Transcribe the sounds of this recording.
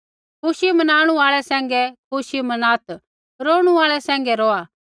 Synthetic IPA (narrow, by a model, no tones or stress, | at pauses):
kʊʃimɐnaːɽ̃ũaːɭɛsɛ̃ːŋ̆ɡɛkʊʃimɐnaːt̪ | ɾoːɽ̃uaːɭɛsɛ̃ːŋ̆ɡɛɾɔːa